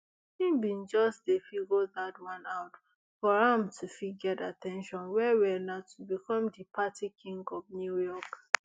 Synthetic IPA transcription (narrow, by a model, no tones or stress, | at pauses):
ʃĩmbĩnd͡ʒɔsdefiɡoðatwãnaʊt | fɔɹãmtʰufiɡɛtatɛ̃nʃɔ̃nwɛwiɛnatʰubikʰɔ̃mdipʰatikʰĩŋɡɔvnjujɔk